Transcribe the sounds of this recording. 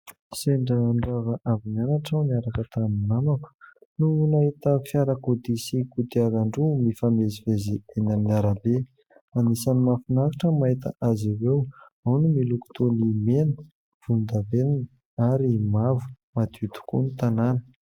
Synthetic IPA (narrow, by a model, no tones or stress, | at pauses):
seɳɖ͡ʐaːɳɖ͡ʐavaʔavimianaʈ͡ʂawniaɾakət̪annamaku̥nunaɦit̪əfjaɾakod̪isikud̪iaɾaɳɖ͡ʐumifamezivezienaminaɾabe | anisanimafinaɾiʈ͡ʂəmait̪ə̰ʔaziwew | awnumiluku̥t̪onimenə̥ | v̥und̪avenin | aɾimavu̥ | mat̪ut̪u̥kṵnit̪ananə̥